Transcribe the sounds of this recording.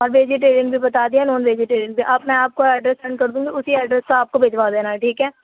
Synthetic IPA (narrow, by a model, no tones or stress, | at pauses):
ɔːɾʋeːd͡ʒɪʈ̬eːɾɪ̃ŋɡbʱibɐt̪aːd̪ijanoːnʋeːd͡ʒɪʈeːɾɪ̃ŋɡ̚bʱiʔɐbmɛ̃aːp̚koɛːɖɾɛsɛ̃ɳɖ̚kɐɾd̪ũːɡiʊsiɛːɖɾɛskoaːp̚kobʱeːd͡ʒʋaːd̪eːnaɛʈʰiːkɦɛː